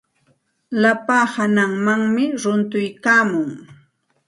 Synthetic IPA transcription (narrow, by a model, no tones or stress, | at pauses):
lapaːhanaŋmaŋmɪɾʊnt̪ʊjkaːmʊŋ